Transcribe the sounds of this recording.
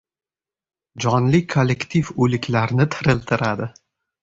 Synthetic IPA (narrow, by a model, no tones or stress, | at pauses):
d͡ʒɒnlɪkʰːolːekt̪ʰifɵlɪkʲlaɾnɪt̪ʰɪɾɪlt̪ʰɪɾad̪ɪ